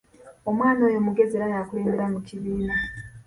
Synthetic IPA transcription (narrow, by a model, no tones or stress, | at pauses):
o̞mwaːnojo̞muɡe̞zeɾajakule̞ːmbeɾamuciβiːna